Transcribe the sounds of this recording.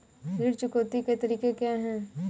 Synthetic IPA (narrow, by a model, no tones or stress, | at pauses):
ɦiɾt͡ʃʊkoːt̪iket̪ɐɾiːkekjaːɦɛ̃ː